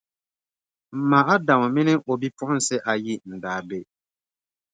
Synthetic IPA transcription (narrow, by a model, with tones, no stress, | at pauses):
m̩˨ma˨a˦da˨m˨mɪ˦nɪ˦ʔo˨bi˦pʊ˦ʔʊ˦n̩˦sɪ˦ʔa˨ji˦n̩˨daː˨be˦